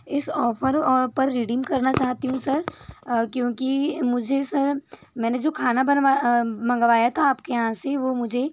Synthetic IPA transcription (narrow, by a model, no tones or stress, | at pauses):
ɪsɔːfʰəɾpɐɾːiɖiːmkɐɾnat͡ʃaːɦt̪iɦũsɐɾkjõːkimʊd͡ʒʱesɐɾmɛ̃ːned͡ʒoːkʰaːnabɐnʋamɐ̃ŋɡʋaːjat̪ʰaːpkejɐɦãseʋoːmʊd͡ʒʱe